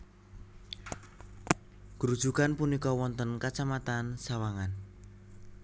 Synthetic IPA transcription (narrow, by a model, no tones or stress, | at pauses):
ɡ̥ɾud̥ʒ̥ukanpunikɔwɔnt̪ənkat͡ʃamat̪ansawaŋan